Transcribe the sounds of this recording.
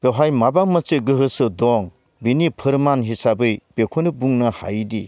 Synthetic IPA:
b̥eɦajmabaŋmaseɡɯɦɯsɯdɔŋ | binipʰɯɾmanɦisabɯjb̥ekʰonɯbuŋnaha̰jdi

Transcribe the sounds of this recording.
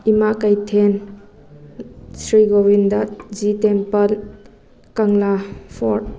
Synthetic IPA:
imakajtʰen | sɾiɡowindad͡ʒitempɐl | kɐŋlapʰɔɾt̚

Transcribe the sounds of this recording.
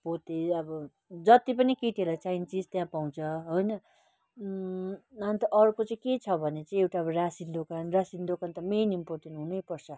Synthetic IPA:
pot̪eʌbʌ | d͡zʌt̪ipʌnikiʈelat͡sajnt͡sid͡zt̪jãpaw̃t͡sʰʌɦojnʌ | ant̪ʌʔʌɾkot͡saĩket͡sʰʌbʱʌnet͡sʌĩewʈaʌbʌrasind̪okanrasind̪okant̪ʌminimpot̪enɦunʌjpʌrt͡sʰʌ

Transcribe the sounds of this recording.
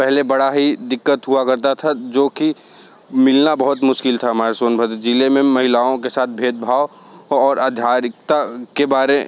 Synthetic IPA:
pɛɦlebɐɽaɦid̪ɪkːət̪ɦuakɐɾt̪at̪ʰad͡ʒoːki | mɪlnabɐɦʊt̪mʊʃkɪlt̪ʰaɦmaːɾsoːnbʱəd̪d͡ʒilemẽmɐɦɪlaːõkesaːt̪̚ʰbʱeːd̪̚bʱaːoɔːɾaːd̪ʱjaːɾɪkt̪akebaːɾe

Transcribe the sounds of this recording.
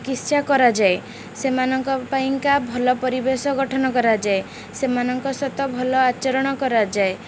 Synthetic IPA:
kist͡ʃakɔɾad͡ʒae | semanɔŋkɔpaiŋkabʱɔlɔpɔɾibesɔɡɔʈʰɔnɔkɔɾad͡ʒae | semanɔŋkɔsɔt̪ɔbʱɔlɔat͡ʃɔɾɔɽ̃ɔkɔɾad͡ʒae

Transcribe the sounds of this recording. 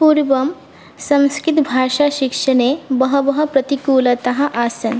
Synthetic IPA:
puːɾʋɐm | sɐ̃mskɪt̪bʱaːʂaʃikʂɐneːbɐɦɐbɐɦɐ̆pɾɐt̪ikuːlɐt̪ɐɦɐ̆ʔaːsɐn

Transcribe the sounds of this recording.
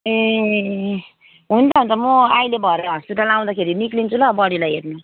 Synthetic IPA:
e | ɦund̪aɦunt͡sʌmoajlebʱʌeɾɾʌsuʈalaw̃d̪akʰeɾiniklint͡sʰulʌbʌɽilajɦeɾni

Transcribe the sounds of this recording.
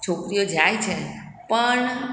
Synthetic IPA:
t͡ʃʰokɾijod͡ʒajt͡ʃʰepəɳ

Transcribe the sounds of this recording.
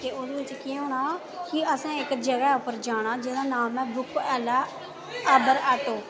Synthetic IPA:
k̪eːod̪eʋɪt͡ʃkiːɦoːɽaː | kɪəsãːɪkd͡ʒəɡɛːʊpːəɾd͡ʒaːɽ̃ãːd͡ʒɪːd̪aːnaːlmɛ̃ːbʊkʰɛːlɛː | əbəɾəʈoː

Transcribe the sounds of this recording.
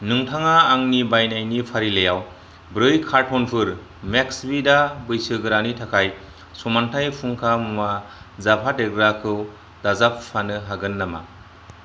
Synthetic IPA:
nɯŋtʰaŋaːŋnibajnajnipʰaɾilejaw | bɾɯjkʰaɾtʰɔnpʰɯɾ | meksbidabɯjsɯɡɯɾanitʰakʰaj | sumantʰajpʰuŋkʰamuma | zapʰadeɡɾakʰɯw | dazapːanɯɦaɡɯnːama̰

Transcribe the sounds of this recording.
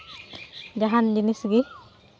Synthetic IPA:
d͡ʒaɦandinisɡi

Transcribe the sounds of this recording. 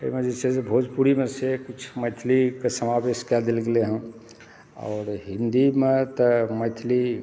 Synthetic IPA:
əimẽd͡ʒesesebʱod͡ʒpuɾimesekut͡ʃʰmət̪ʰlikesəmaweʃkad̪ilɡeleɦə̃m | ɔ̰ːɾɦind̪imet̪əmət̪ʰli

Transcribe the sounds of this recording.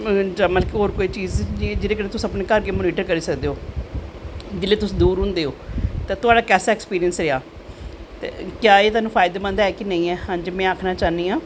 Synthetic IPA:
d͡ʒəməlkɪɦoːɾkoːiːt͡ʃiːzd͡ʒɪɾeːkəɾeːt̪ʊsːəpneːkəɾkeːmʊːniːʈəɾkəɾiːsəkd̪eːoː | d͡ʒɪlːeːt̪ʊsĩːd̪uːɾɦʊ̃nd̪eːoːt̪ãːt̪ʊaːɖaːkɛːsaːɛːkspiːɾijənsɾeaː | t̪ḛːkjaːeːt̪ʊaːnũːpʰaːɪd̪aːmə̃nd̪aːɛːkɪnəĩːɛːhãːd͡ʒemɛ̃ːaːkʰnaːt͡ʃaːniːãː

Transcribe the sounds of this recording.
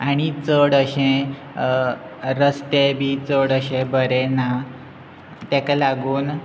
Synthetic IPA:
aɽ̃it͡səɽəɕẽ | ɾəst̪ebʱiːt͡səɽəɕẽbəɾɛna | t̪ɛ̃kalaɡuːn

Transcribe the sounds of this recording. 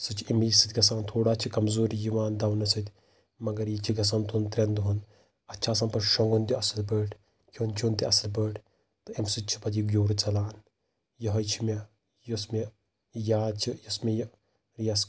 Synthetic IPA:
sɨt͡ʃʰiimiːsɨt̪ʲɡɐs̬aːnt̪ʰoːɽaːt͡ʃʰikɐmzoːɾijiʋaːnd̪ɐwnɐsʰɐt̪ʲ | mɐɡɐɾjit͡ʃʰiɡɐs̬ɐnt̪unt̪ɾʲend̪uɦun | ɐːt͡ʃʰaːsɐnpɐʃɐŋɡund̪iɐsɐlbəːʈ | kʰʲont͡ʃʰund̪iɐslbəːʈʰ | t̪ɨemsɨt͡ʃʰi̥pɐd̪iɡʲoːɾt͡sɐlaːn | jɐɦɐjt͡ʃʰime | jɐsme | jaːt͡ʃʰijɐsmej | ɾijɐs

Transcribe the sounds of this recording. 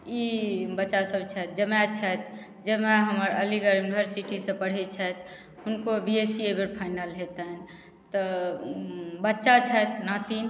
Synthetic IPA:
ibətːʃasəbt͡ʃʰɛt̪̚d͡ʒəmɛt͡ʃʰət̪ʰ | d͡ʒəmɛɦəməɾəliɡəɾjunibʱəɾsiʈisə̃pəɽ̤ɛt͡ʃʰət̪ | unkobiesiebeɾpʰaɪnəlɦet̪ɦɛn | t̪ɔ | bətːʃat͡ʃʰət̪nat̪in

